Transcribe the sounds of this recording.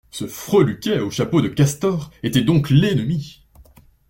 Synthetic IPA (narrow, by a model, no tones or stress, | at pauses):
səfχølykʲɛoʃapod̪əkʲast̪ɔʁet̪ɛd̪ɔ̃klɛnəmi